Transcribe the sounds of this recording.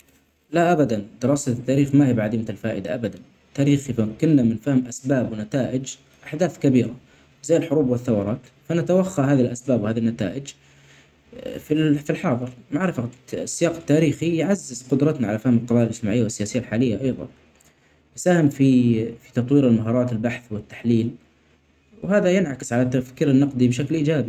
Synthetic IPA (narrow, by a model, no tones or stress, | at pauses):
laʔabad̪and̪ɪɾˤɑːsat̪ːaːɾiːxmahiːbʕad̪iːmt̪alfaːʔɪd̪aʔabad̪an | t̪ːaːɾiːxifakʊnːamɪnfahɪmʔasbaːbwɪnat̪aːʔɪd͡ʒ | ʔaħd̪aːθkabiːɾa | zajːɪlħʊɾuːbwɪθːawɑɾˤɑːt̪ | fanat̪awaxːaɦaːðilʔasbaːbwhaːðinːat̪a̰ːʔɪd͡ʒ | fifilħɑːðˤɨɾmaʕɾɪfasːɪjɑːqɪt̪ːaːɾiːxijʕazːɪzqʊd̪ɾˤɑt̪naʕalafahɪmɪlqɑðˤɑːjalʔɪd͡ʒt̪ɪmaʕɪjːawɪsːɪjaːsɪjːalħaːlɪjːaʔɑjðˤɑ̰n | ʔsaːhɪmfifit̪ɑt̪ˤwiːɾɪlmaɦɑːɾˤɑːt̪ɪlbaħθwɪt̪ːḁħliːl | whaːðajɪnʕakɪ̥sʕalat̪ːafkiːɾɪnːɑqd̪ˤibɪʃ̬aklʔiːd͡ʒaːbi